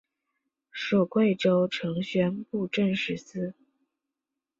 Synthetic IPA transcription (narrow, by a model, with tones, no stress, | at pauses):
ʂo˨˩ʊkwe˥˩ɪʈ͡ʂo˥ʊʈ͡ʂʰɤ˧˥ŋɕɥɛ˥npu˥˧ʈ͡ʂə˥˧nʂɻ̩˥˩sɹ̩˥